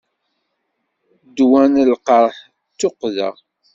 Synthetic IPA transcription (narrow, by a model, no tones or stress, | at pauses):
d̪wænlqəɾˤħ | t͡sːoqðə̰ʁ